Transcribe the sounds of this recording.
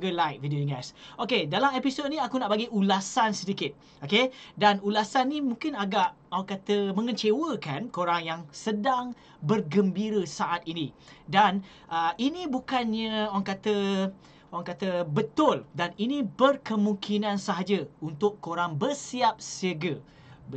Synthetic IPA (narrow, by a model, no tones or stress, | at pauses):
ɡəlajt̪̚vidionɛsokedalamepisod̪̚nĩakunaʔbaɡiʔulasansədikɪt̪̚ | okedanulasanːĩmũŋkɪnaɡaʔ | oaŋkat̪əmə̃ŋət͡ʃewəkankoɾaŋjaŋsədaŋ | bərɡəmbiɾəsaʔat̪inĩdan | ʔəʔinĩbukanɲə̃owaŋkat̪ə | oaŋkat̪əbət̪ʊldaninĩbərkəmũŋkinãnsaɦad͡ʒəunt̪ʊʔkːoɾaŋbərsiap̚siəɡə